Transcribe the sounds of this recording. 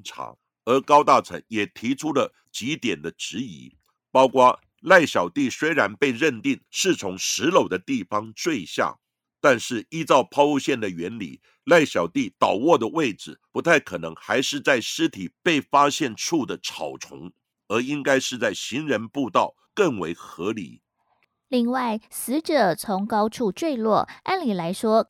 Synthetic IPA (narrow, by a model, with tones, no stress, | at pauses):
ʈ͡ʂʰɑ̰˧˥ | ə˞˧˥kɑ˥ʊt̪a˥˩t͡sʰə˧˥ŋjɛ˨˩t̪ʰi˧˥ʈ͡ʂʰu˥lə˨ | t͡ɕi˧˥t̪jɛ˨˩nd̪ə˦ʈ͡ʂɻ̩˧˥ḭ˧˥ | pɑ˥ʊkwa˥ | la˥˩ɪɕjɑ˨˩ʊt̪i˥˩swe˥ɪɻa˧˥npe˥˧ɪɻə˥˧nt̪i˥˩ŋʂɻ̩˥˩t͡sʰʊ˧˥ŋʂɻ̩˧˥lo˨˩ʊd̪ə˦t̪i˥˩fɑ˥ŋt͡swe˥˧ɪɕja̰˥˩ | t̪a˥˧nʂɻ̩˥˩i˥˧t͡sɑ˥˩ʊpʰɑ˥ʊu˥˧ɕjɛ˥˩nd̪ə˩ɥɛ˧˥nlḭ˨˩˦ | la˥˩ɪɕjɑ˨˩ʊt̪i˥˩t̪ɑ˨˩ʊwɔ˥˩d̪ə˩we˥˩ɪʈ͡ʂɻ̩˨˩pu˧˥t̪ʰa˥˩ɪkʰɤ˨˩nɤ˧˥ŋxa˧˥ɪʂɻ̩˥˧t͡sa˥˩ɪʂɻ̩˥t̪ʰi˨˩pe˥˩ɪfa˥ɕjɛ˥˧nʈ͡ʂʰu˥˩d̪ə˩ʈ͡ʂʰɑ̰˨˩ʊʈ͡ʂʰʊ̰˧˥ŋ | ə˞˧˥i˥ŋka˥ɪʂɻ̩˥˧t͡sa˥˩ɪɕi˧˥ŋɻə˧˥npu˥˧t̪ɑ˥˩ʊ | kə˥˩ŋwḛ˧˥ɪxɤ˧˥lḭ˨˩˦ | li˥˧ŋwa˥˩ɪsɹ̩˧˥ʈ͡ʂɤ˨˩˦t͡sʰʊ˧˥ŋkɑ˥ʊʈ͡ʂʰu˥˧ʈ͡ʂwe˥˧ɪlwɔ˥˩a˥nli˨˩la˧˥ɪʂwɔ˥